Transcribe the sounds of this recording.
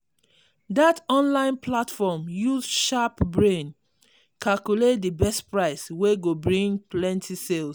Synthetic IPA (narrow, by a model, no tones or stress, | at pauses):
datɔ̃nlãɪ̃nplatfɔmjuzʃapbɹẽn | kʰalkulet̚dibɛstpɹaɪsweɡobɹĩŋɡplɛ̃ntʰisels